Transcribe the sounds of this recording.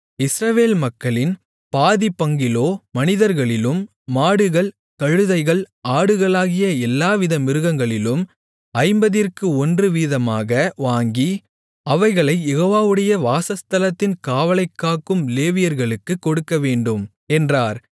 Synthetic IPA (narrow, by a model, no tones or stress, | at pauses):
ɪsɾɐʋeːlmɐkːɐɭɪn | paːðipɐŋɡɪloːmɐnɪðɐɾɣɐɭɪlɯmː | aːɽɯɣɐɭ | kɐɻɯðɐɪɣɐɭaːɽɯɣɐɭaːɣɪjɐɛlːaːʋɪðɐmɪɾɯɣɐŋɡɐɭɪlɯm | ɐɪmbɐðɪrkɯɔndrɯʋiːðɐmaːɣɐʋaːŋɡi | ɐʋɐɪɣɐɭɐɪjɛɣoːʋaːʋɯɽɐjɐʋaːsɐst̪ɐlɐt̪ːɪnkaːʋɐlɐɪkːaːkɯmleːʋɪjɐɾɣɐɭɯkːɯkːɔɽɯkːɐʋeːɳɖɯm | ɛndraːɾ